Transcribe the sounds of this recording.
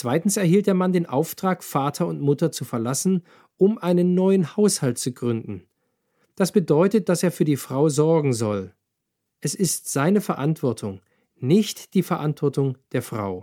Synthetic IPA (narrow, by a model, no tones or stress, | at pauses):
t͡sv̥aɪtn̩sɛɐɦhiːlt̚d̥eːɐmandeːnʔaʊftʁ̥aːkfaːtʰɐʊntmʊtɐt͡sufɛɐlasn̩ | ʔʊmʔaɪnənːɔʏənhaʊshaltt͡suɡʁʏndn̩ | d̥asb̥ədɔʏtət̚d̥aseːɐfyːɐdiːfʁ̥aʊzɔɐɡŋ̩zɔl | ʔɛsɪstz̥aɪnəfɛɐʔantv̥ɔɐtʰʊŋ | nɪçtd̥iːfɛɐʔantv̥ɔɐtʊŋd̥eːɐfʁ̥a̰ʊ